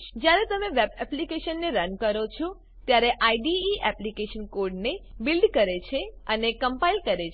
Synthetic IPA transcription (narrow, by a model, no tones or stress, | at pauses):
d͡ʒjaɾet̪əmeʋebɛplikeʃənːeɾənkəɾot͡ʃʰɔ | t̪jaɾeʔaiɖiːʔɛplikeʃənkoɾɖnebilɖkəɾet͡ʃʰeənekəmpailkəɾet͡ʃʰ